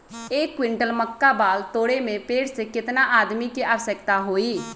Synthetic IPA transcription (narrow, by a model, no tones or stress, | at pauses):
eːkːwɪ̃ɳʈəlməkːabaːlt̪oːɽemẽpeːʈsekɪt̪naʔaːd̪mikiʔaːʋəsəkt̪aɦoːiː